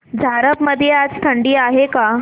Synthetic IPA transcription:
d͡zʱaɾəpməd̪ʱjead͡zt̪ʰəɳɖiːaɦeka

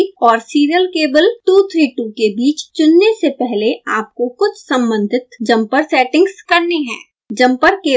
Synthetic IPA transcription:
kɔːɾsiːɾijəlkeːbəlʈuːt̪ʰɾiːʈukebiːt͡ʃt͡ʃʊnːesepɛɦleʔaːp̚kokʊt͡ʃʰsɐ̃mbə̃nd̪ʱɪt̪d͡ʒɐ̃mpəɾsɛːʈɪ̃ŋɡskɐɾneɦɛ̰̃ː | d͡ʒɐ̃mpəɾkeː

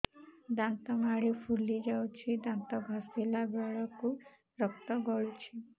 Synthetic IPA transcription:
d̪ant̪ɔmaɽipʰulid͡ʒawt͡ʃʰid̪ant̪ɔɡʱɔsilabɔɭɔku | ɾɔk̚t̪ɔɡɔɭut͡ʃʰi

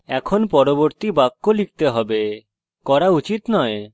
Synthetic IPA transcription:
ɛkʰonpɔɾoboɾt̪ibakːolik̚t̪eɦɔbe | kɔɾaut͡ɕit̪nɔe

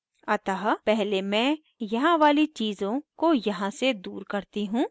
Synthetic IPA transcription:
ɐt̪aːɦpɛɦlemɛ̃ː | jɐɦãʋaːlit͡ʃiːzõkojɐɦãsed̪uːɾkɐɾt̪iɦũː

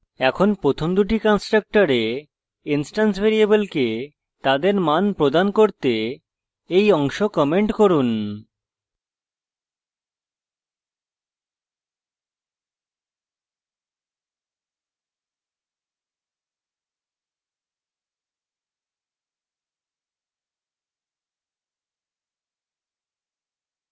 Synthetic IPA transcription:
ɛkʰonpɾot̪ʰomd̪uʈikɔnsʈɾak̚ʈaɾe | insʈansbʱeɾiebelke | t̪ad̪eɾmanpɾod̪ankoɾt̪e | ejɔŋʃokɔmeɳʈkoɾun

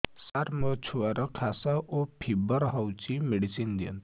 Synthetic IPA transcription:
saɾmət͡ʃʰuaɾəkʰasaʔopʰibəɾɦawt͡ɕimeɽisind̪iə̰n

